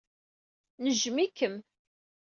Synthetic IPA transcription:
nəʒmikəm

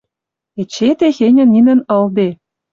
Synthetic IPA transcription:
et͡ɕet̪exenʲɘ̆nːinə̆nɤ̆ld̪e

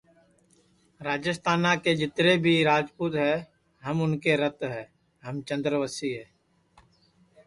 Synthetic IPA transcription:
ɾaːd͡ʒəst̪ʰaːnãked͡ʒɪt̪ɾebʱiɾaːd͡ʒpuːt̪ɦɛː | ɦɐmʊnkeɾɐt̪ɦɛː | ɦɐmt͡ʃɐ̃nd̪ɾəʋəsiɦɛː

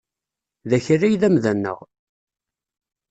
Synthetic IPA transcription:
ðæçræjðæmðænːə̰ʁ

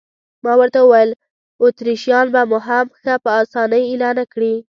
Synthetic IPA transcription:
mɑwəɾt̪aəwajəl | ot̪ɾiʃjɑnbamʊɦamxapəɑsɑnəjelɑnakɽi

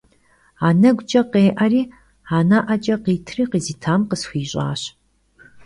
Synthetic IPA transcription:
aːnɐɡʷt͡ʃʼɐqeːʔɐriː | aːnaʔɐt͡ʃʼɐqiːtʰriːqiːziːtʰaːmqəsxʷiːɕʼa̰ːɕ

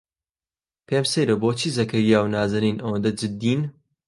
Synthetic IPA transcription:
pʰeːmsejɾɐboːt͡ʃʰiːzɐkʰɐɾijaːwnaːzɐniːnʔɐwɐnd̪ɐd͡ʒɨd̪ːiːn

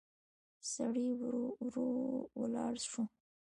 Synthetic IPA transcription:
saɽiwɾowəlɑɽʂu

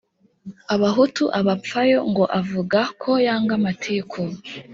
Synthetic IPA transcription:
aβaɦutuʔaβap͡fajo̞ŋɡo̞ʔavuɡakʰo̞jaːŋɡamatʰiːkʰo

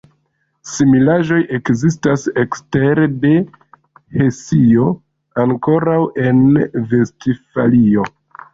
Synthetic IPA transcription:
similaʒo̞jʔe̞kzis̬tasekste̞ɾede̞ | he̞sio̞ | aŋko̞ɾawʔe̞nve̞stifalio̞

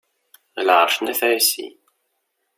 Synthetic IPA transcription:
lʕəɾˤʃnæθæjsḭ

